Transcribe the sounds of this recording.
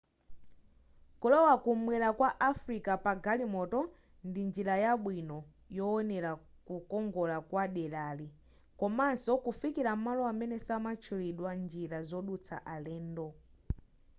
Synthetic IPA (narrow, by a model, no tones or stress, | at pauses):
kulɔwakumwɛɾakwaʔafɾikapaɡalimɔtɔ | ndind͡ʒiɾajaɓwinɔ | jɔːnɛɾa | kukɔŋɡɔlakwaɗɛlali | kɔmansɔkufikiɾam̩malɔamɛnɛsamat͡ʃʰuliɗwand͡ʒiɾazɔɗut͡sʰa̰ʔalɛːndɔ